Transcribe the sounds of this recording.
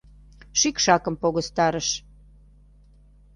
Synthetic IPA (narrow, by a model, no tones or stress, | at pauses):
ʃikʃɑkəmpoɣost̪ɑɾəʃ